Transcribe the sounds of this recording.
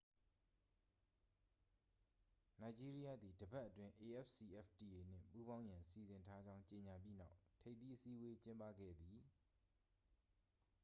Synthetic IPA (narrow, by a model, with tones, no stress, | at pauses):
na˨ɪd͡ʑi˦ɹi˦ja˦d̪i˨dəbɛ˦ʔətwɪ̃˦ʔe˨ʔɛ˦p̚si˨ʔɛ̰˦pti˨ʔe˨n̥ɪ̰̃˦˨pu˦bã˦ʊ̃jã˨si˨zɪ̃˨ntʰa˦d͡ʑã˦ʊ̃ɲt͡ɕe˨ɲa˨p̬ji˦nã̰˦ʊtʰe˦ɪ̃t̪ːi˦ʔəsi˦ʔwe˦t͡ɕɪ̃˦mpä̰˦˨ɡɛ̰˦˨d̪ði˨